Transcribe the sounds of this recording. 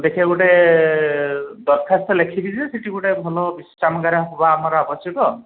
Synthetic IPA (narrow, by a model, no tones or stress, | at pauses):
d̪ekʰieɡuʈe | d̪ɔɾ̚kʰast̪ɔlekʰibʱisʰɛseʈiɡuʈebʱɔlɔbisɾamɡaɾaɦobaːmaɾɔabɔsjɔkɔ